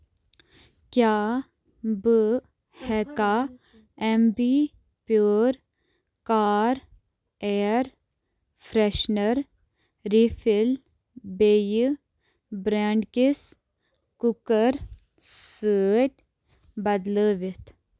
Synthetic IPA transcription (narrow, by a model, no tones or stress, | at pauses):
kjaː | bɨ | hɛkaː | embi | pjoːɾ | kaːɾ | eːɾ | fʰɾeʃnəɾ | ɾifʰil | beːj | bɾaːɳɖkis | kukəɾ | səːt̪ʲ | bɐd̪ləːʋit̪ʰ